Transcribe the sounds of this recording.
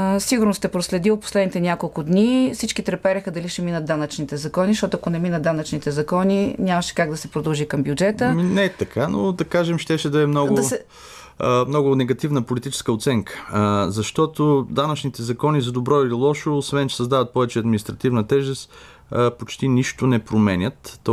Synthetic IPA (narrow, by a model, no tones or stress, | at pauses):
siɡʊɾnost̪ɛpɾoslɛd̪iot̪̚po̥slɛd̪nit̪ɛnʲakolˠkʊd̪nisit͡ʃkit̪ɾɛpɛɾɛxəd̪ɐliʃɛminət̪̚d̪anət͡ʃnit̪ɛzɐkɔnisʃt̪ɔt̪ʊoɐkonɛminət̪d̪anɐt͡ʃnit̪ɛzɐkɔninʲamɐʃɛ̥kaɡ̚d̪ɐsɛpɾod̪ɐlˠʒikɐmbjʊd͡ʒɛt̪əminɛt̪ɐkʰanod̪ɐkaʒɛmʃt̪ɛʃɛd̪ɐɛmnɔɡʊd̪ɐsɛ | mnɔɡʊnɛɡɐt̪ivnəpolit̪it͡ʃɛ̥skəot̪sɛŋkə̥zɐʃt̪ɔt̪od̪anɐt͡ʃnit̪ɛzɐkɔnizɐd̪obɾɔililˠɔʃoːsvɛnt͡ʃɛ̥sɐzd̪avɐt̪̚pɔvɛt͡ʃɛɐd̪minist̪ɾɐt̪ivnət̪ɛʒɛst̪ | pot͡ʃt̪iniʃt̪ʊnɛpɾomɛnʲət̪ː